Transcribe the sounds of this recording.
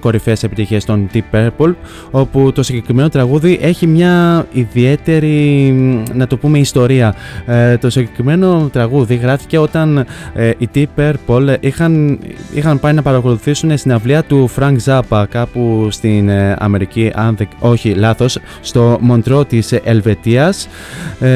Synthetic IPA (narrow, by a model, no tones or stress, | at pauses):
ko̞ɾifese̞pit̪içest̪o̞nt̪ipeɾpol | o̞put̪o̞siɲɟe̞kɾime̞no̞t̪ɾɐɣuðiʔe̞çimɲɐiðie̞t̪e̞ɾi | nɐt̪opume̞ist̪o̞ɾiɐt̪o̞siɲɟe̞kɾime̞no̞t̪ɾɐɣuðiɣɾɐfi̥ce̞o̞t̪ɐnit̪ipe̞ɾpo̞lixɐnḭxɐmpɐinɐpɐɾɐko̞luθisune̞st̪inɐvliɐt̪ufɾɐŋɡzɐpɐkɐpust̪inɐ̰me̞ɾiciʔɐnðiko̞çilɐθo̞sː | t̪o̞mo̞nt̪ɾo̞t̪ise̞lve̞t̪iɐs